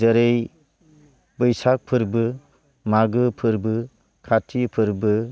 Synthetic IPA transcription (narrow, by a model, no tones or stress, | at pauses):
əɾej | bɯjsak̚pʰɯɾbɯ | maɡɯpʰɯɾbɯ | kʰatʰipʰɯɾbɯ